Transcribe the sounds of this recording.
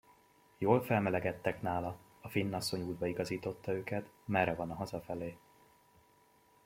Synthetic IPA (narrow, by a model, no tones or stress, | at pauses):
joːlfɛlmɛlɛɡɛt̪ːɛknaːlɒ | ɒfinːɒsːo̞ɲuːd̪̚bɒiɡɒziːt̪o̞t̪ːɒøːkɛt̪mɛrːɛvɒnɒɦɒzɒfɛleː